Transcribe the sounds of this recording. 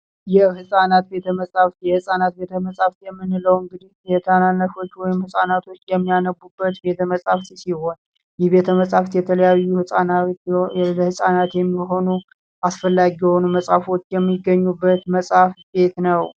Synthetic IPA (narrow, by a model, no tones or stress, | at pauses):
jɛhɨsʼanat̪̚be̞t̪ʰəməsʼaft̪jɛhɨsʼanat̪̚bet̪ʰəməsʼaft̪jɛmːɨnːɨləwɨŋɡɨd̪ihjɛt̪ʰananːəfo̞t͡ʃːwɔjɪmhɨsʼanat̪ʰo̞t͡ʃːjɛmːijanəbːubːət̪be̞t̪ʰəməsʼaft̪isiho̞n | jɛhbe̞t̪ʰəməsʼaft̪jɛt̪ʰələjajːuhɨsʼana | ləhɨsʼanat̪jɛmːiɦo̞nu | ʔasfəlːaɡijɛho̞numəsʼafo̞t͡ʃːjɛmːiɡːəɲːubːət̪məsʼafbe̞t̪nəw